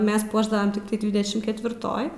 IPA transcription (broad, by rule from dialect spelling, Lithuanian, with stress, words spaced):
ˈmʲɛs ˈpuɔʒdɐʋɐm tʲɪkˈtɐɪ ˈdʲʋʲɪdʲɛʃʲɪm kʲɛtʲʋʲɪrˈtoːj